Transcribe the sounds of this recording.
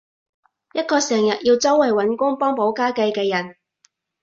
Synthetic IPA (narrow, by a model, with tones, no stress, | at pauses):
jɐ˥t̚kɔː˧sɛː˨˩ŋjɐ˨t̚jiː˧wt͡sɐ˥wɐ˨˩jwɐ˨˥nkʊ˥ŋpɔː˥ŋpo˨˥wkaː˥kɐ˧jkɛː˧jɐ˨˩n